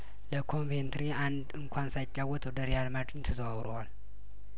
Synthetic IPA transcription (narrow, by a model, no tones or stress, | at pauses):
ləkʰo̞ɱvent̪ʰɾiand̪ɨŋkʰʷansajt͡ʃʼːawɔt̪ʰod̪ɐɾijalmat͡ʃɨnt̪ʰɐzɐβaβɾoal